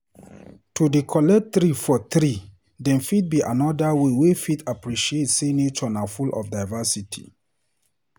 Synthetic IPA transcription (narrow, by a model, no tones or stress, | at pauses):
tʰudekʰɔlɛt̪ɾifɔt̪ɾi | dɛ̃nfit̚biʔa̰nɔdawewefitʰapɹiʃietsinet͡ʃɔnafulɔ̰fdaɪvasitʰḭ